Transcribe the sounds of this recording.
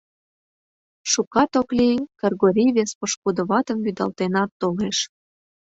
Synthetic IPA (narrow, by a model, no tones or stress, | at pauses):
ʃukɑt̪oklikərɣoɾʲiβespoʃkud̪ə̆βɑt̪əmbyd̪ɑ̰lt̪enɑt̪ːoleʃ